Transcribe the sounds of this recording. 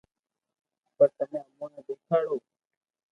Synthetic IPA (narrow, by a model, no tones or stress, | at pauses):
pəɾt̪əmẽːəmoːnãːd̪eːkʰaːɽoː